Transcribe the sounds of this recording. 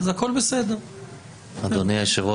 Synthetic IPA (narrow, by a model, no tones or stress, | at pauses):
zako̞lbesed̪eʁ | ad̪oniaʃevo